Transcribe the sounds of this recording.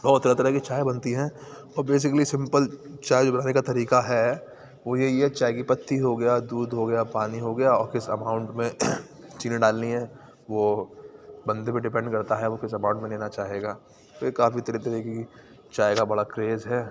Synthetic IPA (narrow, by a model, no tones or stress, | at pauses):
bɔːt̪ːɐɾət̪ɐɾəkit͡ʃaːjbɐnt̪iɦɛ̃ː | ɔːɾbeːs̬ɪkəlisɪ̃mpəlt͡ʃaːjd͡ʒoːbɐnaːnekat̪ɐɾiːkaɦɛ | ʋojeiɛt͡ʃaːjekipɐt̪ːiɦoɡɐjad̪uːd̪ɦoɡɐjapaːniɦoɡɐjaɔːɾkɪsɐ̰mãːʊ̃ɳʈmẽ | t͡ʃiːnẽɖaːlniɦɛː | ʋo | bɐ̃nd̪emẽɖɪpɛ̃ɳɖkɐɾt̪aɦɛʋokɪsɐmãʊ̃ɳʈmẽnleːnat͡ʃaːɦeːɡaː | ojekaːfit̪ɐɾit̪ɐɾeki | t͡ʃaːeɡabɐɽakɾeːzɦɛː